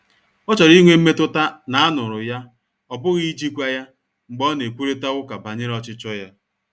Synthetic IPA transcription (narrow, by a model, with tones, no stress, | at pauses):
ɔ˦t͡ʃɔ˨ɾi˦ŋʷe˦m̩˦me˦tʊ˦ta˦na˨a˦nʊ˨ɾʊ˨ja˦ | ɔ˨bʊ˦ɣi˦d͡ʒi˦kʷa˦ja˦ | ŋ͡m̩˨ɡ͡bɔ˦ne˨kʷu˦ɾe˦ta˦ɣʊ˦ka˨ba˨ɲɪ˦ɾɔ˦t͡ʃɪ˦t͡ʃɔ˦ja˦